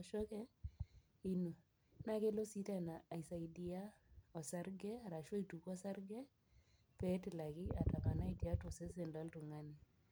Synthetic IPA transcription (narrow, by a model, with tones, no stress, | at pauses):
ɔ˨ʃɔ˦kɛ˦ | i˦no˨ | na˦ke˦lo˦si˦ta˦naː˨i˨sa˨i˨di˦a˦ɔ˨sa˦ɾɡɛ˦a˨ɾa˨ʃɔ˦i˨tu˨kɔ˦sa˦ɾɡɛ˦ | pɛ˦tɪ˨la˨ɡɪ˦a˨ta˨ka˨na˦i˨di˨a˦tʊ˨sɛ˦s̬ɛ˨nda˦ltʊ˨ŋa˦ni˨